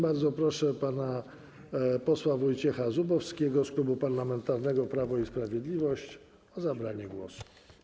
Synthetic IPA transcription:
baɾd̪zɔpɾɔʂɛpana | pɔswavɔjt͡ɕɛxazubɔfskʲɛɡɔsklubupaɾlamɛnt̪aɾnɛɡɔpɾavɔispɾavʲjɛd̪lʲivɔɕt͡ɕ | ɔzabɾaɲɛɡwɔ̰su̥

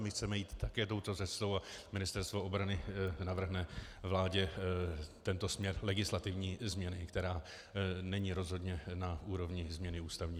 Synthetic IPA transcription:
mɪxt͡sɛmɛjiːt̪ːakɛːt̪o̞wt̪o̞t͡sɛst̪o̞wamɪnɪst̪ɛɾst̪vo̞ʔobɾanɪnavr̩ɦnɛvlaːɟɛ | t̪ɛnt̪o̞smɲɛɾlɛɡɪslat̪ɪvɲiːzmɲɛnɪkt̪ɛɾaː | nɛɲiːɾo̞zɦo̞dɲɛnauːɾo̞vɲɪzmɲɛnɪuːst̪avɲiː

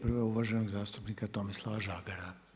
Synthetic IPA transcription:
pr̩ʋɛuʋaʒɛnoɡzaːst̪upnikat̪omislˠaʋaʒaːɡaɾa

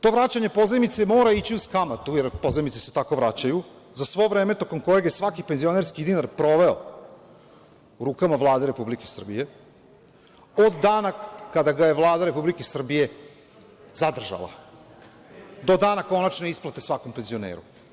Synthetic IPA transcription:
t̪o̞ʋɾat͡ɕaɲe̞po̞zemit̪se̞mo̞ːɾait͡ɕiuskamat̪ujeɾpo̞zemit̪seset̪ako̞ʋɾat͡ɕaju | zasʋo̞ʋɾeːme̞t̪o̞ko̞mko̞jeɡje̞sʋakipenzio̞ne̞ɾskid̪inaɾpɾo̞ʋe̞o | uɾuːkamaʋlˠaːd̪e̞ɾe̞publikesr̩bije̞ | od̪ːaːnakad̪aɡaje̞ʋlˠaːd̪aɾe̞publikesr̩bije̞ | zad̪r̩ʒa̰lˠa̰ | d̪o̞d̪aːnako̞nat͡ʃnoisplˠat̪esʋako̞mpe̞nzio̞nḛːɾṵ

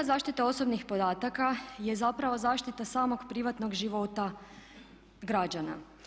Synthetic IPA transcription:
zaːʃt̪it̪ao̞so̞bnixpo̞d̪aːt̪akaje̞zapɾaʋo̞zaːʃt̪it̪asaːmo̞ɡpɾiʋat̪no̞ɡʒiʋo̞t̪a | ɡɾad͡ʒana̰

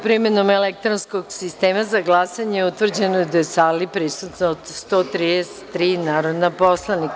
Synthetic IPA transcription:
pɾimeno̞melek̚t̪ɾonskoɡsist̪e̞ːmazaɡlˠasaɲejeut̪ʋr̩d͡ʑenod̪ajesalipɾisut̪nod̪st̪o̞t̪ɾid̪ese̥t̪ːɾiːnaːɾo̞d̪napo̞slˠanik

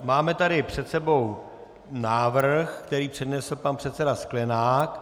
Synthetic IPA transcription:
maːmɛt̪adɪpr̝̥ɛt̪sɛbow | naːvr̩xkt̪ɛɾiːpr̝̥ɛdnɛsl̩panpr̥ɛt̪sɛdasklɛnaːk

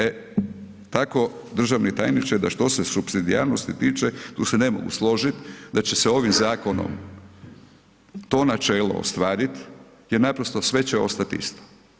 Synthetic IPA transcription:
e | t̪ako̞ | d̪r̩ʒaʋnit̪a̰jnit͡ʃajd̪aʃt̪o̞sesupsid̪iaɾnost̪it̪iːt͡ʃet̪uːsene̞mo̞̰ɡṵslˠo̞ʒit̪d̪at͡ɕe̞seo̞ʋimzaːko̞no̰m | t̪o̞ːnat͡ʃeːlo̞̰o̰st̪ʋaːɾit̪ | jeɾnapɾost̪osʋe̞t͡ɕeo̞̰st̪at̪ḭst̪o̥

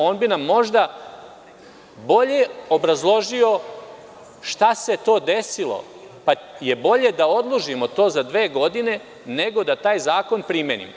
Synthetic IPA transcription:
o̞ːnbinamːo̞ʒd̪a | bo̞ʎe̞obɾazlˠo̞ʒio̞ | ʃt̪ase̞t̪o̞ːd̪e̞silˠo̞̰ | paje̞bo̞ʎe̞d̪ao̞d̪lˠuʒimo̞t̪o̞ːzad̪ʋe̞ːɡo̞d̪ine̞ | ne̞ɡo̞d̪at̪aːjzaːko̞npɾimʲjenḭm

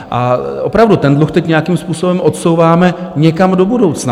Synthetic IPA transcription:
ʔaʔopɾavdut̪ɛndluxt̪ɛcɲɛjakimspuːso̞bɛmʔo̞t̪so̞wvaːmɛɲɛkamdo̞budowt͡sna

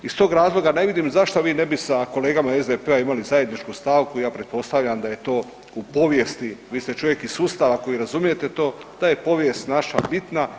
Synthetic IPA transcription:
ist̪o̞ːɡɾaːzlˠo̞ɡane̞ʋid̪imzaʃt̪oʋiːne̞bisako̞le̞ːɡamaezd̪epeaimalizaje̞d̪nit͡ʃkust̪aːʋkuijaːpɾe̞t̪̚po̞st̪aʋʎamd̪aje̞t̪o̞ː | upo̞ʋjest̪iʋiːst̪e̞t͡ʃo̞ʋje̞kisuːst̪aʋako̞jiɾazumije̞t̪e̞t̪o̞ːd̪̥aje̞po̞ʋje̞st̪naʃabit̪na

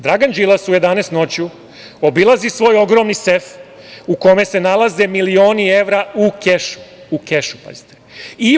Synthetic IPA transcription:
d̪ɾaɡand͡ʒilˠasuje̞d̪ane̞ːst̪no̞t͡ɕju | obilazisʋo̞ːjo̞ɡɾo̞mnisef | uko̞me̞se̞nalaze̞milio̞ːnie̞ʋɾaukeʃu̥ukeʃu̥pa̰zit̪e̥i

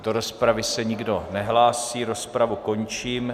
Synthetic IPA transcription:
d̥o̞ɾo̞spɾavɪsɛɲɪɡdo̞nɛɦlaːsiːɾo̞spɾavuko̞ɲt͡ʃiːm

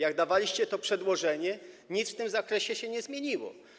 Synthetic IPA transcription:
jaɡd̪avalʲiɕt͡ɕɛt̪ɔpʂɛd̪wɔʐɛɲɛɲit̪ft̪ɘmzakɾɛɕɛɕɛɲɛzmʲjeɲiwɔ̰

